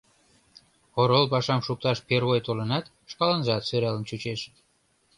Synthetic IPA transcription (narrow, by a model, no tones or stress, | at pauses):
oɾolpɑʃɑmʃuk̚t̪ɑʃpeɾβojt̪olənɑt̪ | ʃkɑlənʒɑt̪søɾelənt͡ɕut͡ɕeʃə̥